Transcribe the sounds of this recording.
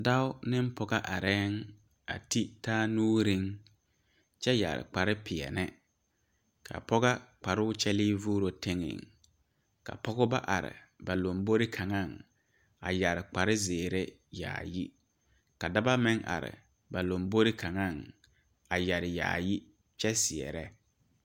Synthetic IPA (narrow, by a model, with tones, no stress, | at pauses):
da˦ʊ˦nɪ˦m˦pɔ˨ɡa˦ʔa˨ɾɛː˦ŋ | a̰˨ti˦taː˦nuː˦ɾɪ˦ŋ | t͡ʃɛ˦ja̰˨ɾɪ̰˨k͡pa˨ɾɪ˦pʰɪ˨ɛ̰˨nɪ˦ | kʰa̰˨pɔ˦ɣa˦k͡pa˨ɾʊ˦t͡ʃɛ˦lɪː˦vuː˦ɾo˨tɪ˦ŋɪ̰˨ŋ | ka̰˨pɔ˦ɣʊ˦ba˦ʔa˨ɾɪ̰˨ba˨lo˨mbo˦ɾɪ˦kʰa˨ŋa˦˨ŋ | a̰˨ja˨ɾɪ˨k͡pa˨ɾɪ˦zeː˨ɾe˦ | ja̰ː˨ji˦ | ka˨da˦ba˦mɪ˦ŋʔa̰˨ɾɪ̰˨ | ba˨lo˨mbo˦ɾɪ˦kʰa˨ŋa˦˨ŋ | a˨ja˨ɾɪ˨ja̰ː˨ji˦ | t͡ʃɛ˦sɪ˨ɛ̰˨ɾɛ˦